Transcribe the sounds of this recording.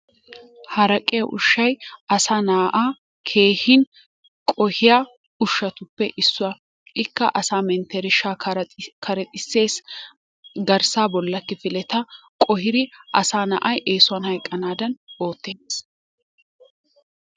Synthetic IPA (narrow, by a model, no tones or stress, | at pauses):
hɐɾɐkʼeʔʊ̰ʃːɐjɐsaːnaːʔaː | kʰe̞ːhɪn | kʼɔhɪjaː | ʊʃːɐt̪ʊpːɛʔɪsːʊɐ | ɪkːɐʔɐsaːmɛnt̪ɛɾɪʃaːkʰɐɾɛt̪ʼɪsːe̞ːs | ɡɐɾsaːbɔlːɐkːɪfɪlɛt̪ɐkʼɔhɪɾɪʔɐsaːnɐ̰ʔɐjʔe̞ːsʊɐnhɐjkʼːɐnaːd̪ɐno̞ːt̪ːeːns